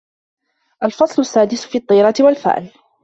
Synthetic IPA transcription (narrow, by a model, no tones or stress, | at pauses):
ʔalfɑsˤlʊsːaːd̪ɪsfiːt̪ˤːɑːɾˤɑt̪ɪwalfa̰ːʔɪl